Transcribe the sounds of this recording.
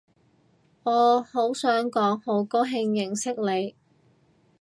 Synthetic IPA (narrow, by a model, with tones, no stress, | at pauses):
ŋɔː˨˧ho˨˥wsœː˨˥ŋkɔː˨˥ŋho˨˧˥wkoː˥ɦɪ˧ŋjɪ˨˩ŋsɪ˥k̚le˨˧j